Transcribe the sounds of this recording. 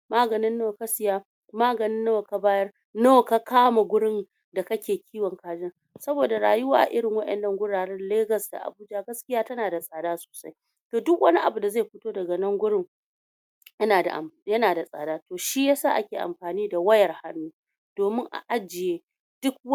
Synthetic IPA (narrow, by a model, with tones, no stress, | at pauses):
maː˦ɡɐ˨nɪ˦nːoː˦˨ka˦sɪ˨jaː˦ | maː˦ɡɐ˨nɪ˦nːo˦˨ka˨baː˦jɐ˦r | noː˦ka˦kaː˦ma˨ɡʷʊ˦ɽɪ˦n | da˨kɐ˦kʲeː˨kʲʰiː˦wɔ˨ŋkaː˨d͡ʒɪ˦n | sɐ˦boː˨da˨ɽaː˨jʊ˦waː˦ʔa̰˨ʔɪ˦ɽɪ˨ŋwɐ˦ɗɛ̰˨nːɐ˦ŋɡʷʊ˦ɽaː˨ɽɛ˦nleː˦ɡɐ˨sda̰˨ʔa̰˨buː˦d͡ʒa˦˨ɡɐ˦skʲɪ˦jaː˦tɐ˦naː˨da˨sʼaː˨daː˦so̥ː˨sa˦j | toː˨dʊ˦kwɐ˦ni˦ʔa˨bu˨da˨zaː˦˨jɸʊ˦toː˦dɐ˨ɡɐ˨nɐ˦ŋɡʷʊ˦ɽɪ˦ŋ | jɐ˦naː˨da̰˨ʔjɐ˦naː˨da˨sʼa̰ː˨daː˦toː˨ʃi˦jaː˦saː˦˨ʔa˦kʲeː˨ʔa̰˨mɸaː˨niː˦da˨wɐ˦jɐ˨rha˦nːuː˦ | d̥oː˨mɪ˦ŋʔa̰˨ʔa˦d͡ʒɪ˨jeː˦ | d̥ʊ˦k̚w